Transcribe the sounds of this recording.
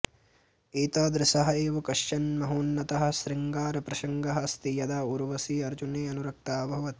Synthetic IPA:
iːt̪aːd̪ɾɪsɐɦɐeːʋɐkɐʂt͡ʃɐnmɐɦuːnːɐt̪ɐɦɐ̆ʃɾɪŋɡaːɾɐpɾɐʃɐŋɡɐɦɐ̆ɐst̪ijɐd̪aːuɾʋɐsiːɐɾd͡ʒuneːɐnuɾɐk̚t̪aːbʱɐʋɐt̪

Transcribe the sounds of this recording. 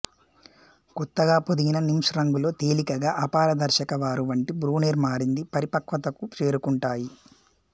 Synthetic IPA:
kɔt̪ːɐɡaːpod̪iɡinɐnimʂɐɾɐŋɡulo̞ːt̪eːlikɐɡaːʔɐpaːɾɐd̪ɐɾʃɐkɐʋaːɾuʋɐɳʈibɾuːneːɾmaːɾind̪ipɐɾipɐkʋɐt̪ɐkut͡ʃe̞ːɾukuɳʈaːji

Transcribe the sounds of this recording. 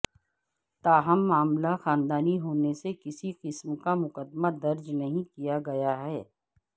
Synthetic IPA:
t̪aːɦɐmːaːmlaxaːnd̪aːniɦoːnesekɪsiqɪsmkamʊqəd̪mad̪ɐɾd͡ʒnɐɦĩkijaɡɐjaɦɛː

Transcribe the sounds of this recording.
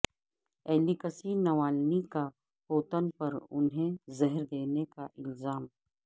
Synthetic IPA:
ɛːlikəsinɐʋaːlnika | poːt̪ənpɐɾʊ̰nɦẽzɐɦɾd̪eːnekaʔɪlzaːm

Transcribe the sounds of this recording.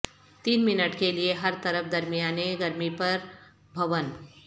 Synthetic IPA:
t̪iːnminəʈkelijeɦəɾt̪əɾəpʰd̪əɾmijaneɡəɾmipəɾ | bʱəʋən

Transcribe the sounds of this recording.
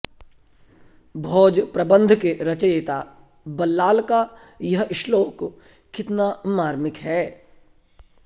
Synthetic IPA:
bʱɔːd͡ʒpɾɐbə̃nd̪ʱkeɾɐt͡ʃəjeːt̪aː | bɐlːaːlka | jɐɦɪʃloːk | kɪt̪namaːɾmɪkɦɛː

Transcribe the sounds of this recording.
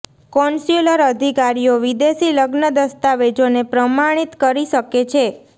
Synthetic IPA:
kɔnsuləɾəd̪ʱikaɾijoʋid̪esiləɡnəd̪əst̪aʋed͡ʒonepɾəmaɽ̃it̪kəɾiʃəket͡ʃʰe

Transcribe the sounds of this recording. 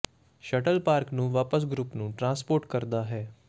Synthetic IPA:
ʃəʈəlpaːɾknũːʋaːpəs̬ɡɾuːpnũːʈɾãspoːɾʈkəɾd̪aɦɛː

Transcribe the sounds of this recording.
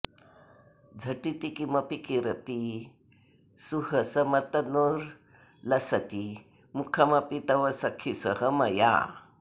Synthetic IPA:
d͡zʱɐʈit̪ikimɐpikiɾɐt̪i | suɦɐsɐmɐt̪ɐnoɾ | lɐsɐt̪i | mukʰɐmɐpit̪ɐʋɐsɐkʰisəhəmɐja̰

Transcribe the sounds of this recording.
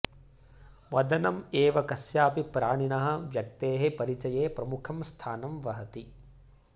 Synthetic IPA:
ʋɐd̪ɐnɐmeːʋɐkɐsjaːpipɾaːɳ̃inɐɦɐ̆ʋjɐk̚t̪eːɦepɐɾit͡ʃɐjeːpɾɐmukʰɐmst̪ʰaːnɐmʋɐɦɐt̪i

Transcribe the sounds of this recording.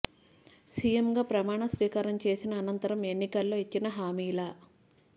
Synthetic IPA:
sijemɡaːpɾɐmaːɳɐsʋiːkaːɾɐmt͡ʃe̞ːsinɐːnɐnt̪ɐɾɐme̞nːikɐlːo̞ːet͡ʃːinɐɦaːmiːlaː

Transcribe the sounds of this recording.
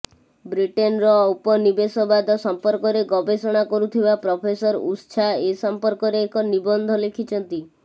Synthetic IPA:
bɾiʈenɾɔupɔnibesɔbad̪ɔsɔmpɔɾkɔɾeɡɔbesɔɽ̃akɔɾut̪ʰibapɾɔpʰesɔɾust͡ʃʰaesɔmpɔɾkɔɾeːkɔnibɔnd̪ʱɔlekʰit͡ʃʰɔnt̪i

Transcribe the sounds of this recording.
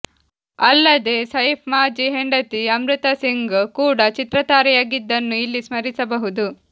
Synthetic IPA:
ɐlːɐd̪eːsɐjpʰmaːd͡ʒiɦeɳɖɐt̪iɐmɾut̪ɐsiŋɡkuːɽɐt͡ʃit̪ɾɐt̪aːɾɛjaːɡid̪ːɐnːuilːismɐɾisɐbɐɦud̪u

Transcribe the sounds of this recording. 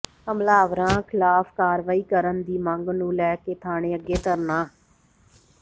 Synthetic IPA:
əmlaːʋɾãːkʰɪlaːfʰkaːɾʋaːiːkəɾənd̪iːməŋɡnũːlɛːkeːt̪ʰaːɽ̃ẽːəɡeːt̪əɾnaː

